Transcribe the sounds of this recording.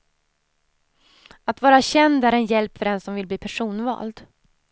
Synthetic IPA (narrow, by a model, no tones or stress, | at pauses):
at̪vɑːɾaɕɛnd̪æɾɛnjɛlpfœɖɛnsɔmvɪlbliːpʰæʂuːnvɑ̰ːld̪